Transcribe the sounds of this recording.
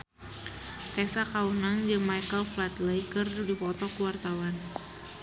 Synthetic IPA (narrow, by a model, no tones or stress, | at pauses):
k̪ɛsakawunand͡ʒɨŋmajkəlflat̪lajkərdipɔt̪ɔkuwart̪awan